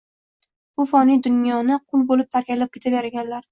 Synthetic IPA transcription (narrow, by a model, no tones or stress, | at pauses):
b̥ʊfɒnijd̪ʊnjɒnɪqʰʊlˠbolɪp̚t̪ʰaɾkʲalap̚kʲʰet̪ʰaveɾaɡʲanlaɾ